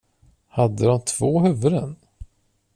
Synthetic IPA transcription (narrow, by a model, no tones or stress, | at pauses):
had̪ːəd̪ɔmt̪ʰv̥oːhɵvɵɾən